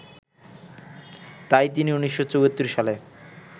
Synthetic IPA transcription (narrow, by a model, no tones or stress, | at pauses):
t̪ajt̪̬iniuniʃːot͡ɕoɡot̪ːiɾʃale